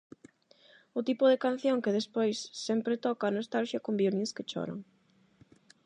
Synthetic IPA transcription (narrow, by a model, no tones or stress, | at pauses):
ʊt̪ipʊðɪkan̟θjoŋkɪðespojsːɛmpɾɪt̪ɔkaːnost̪alʃjɐkombiolĩŋskɪt͡ʃɔ̰ɾɐ̰ŋ